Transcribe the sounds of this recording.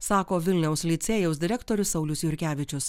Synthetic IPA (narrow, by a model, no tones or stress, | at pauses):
sɑːkoːʋʲɪlʲnʲɛʊslʲit̪sʲeːjɛʊs̬d̪ʲɪɾʲɛkt̪ɔɾʲʊsɐʊlʲʊsjʊɾʲkʲæːʋʲɪt͡ʃʲʊs